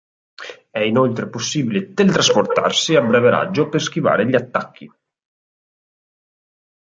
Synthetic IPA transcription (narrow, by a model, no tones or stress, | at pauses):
ɛinolt̪ɾeposːiːbilet̪elt̪ɾasport̪a̰rsiabːɾɛveɾa̰d͡ʒːopersk̟iva̰ːɾeʎat̪ːakʰːi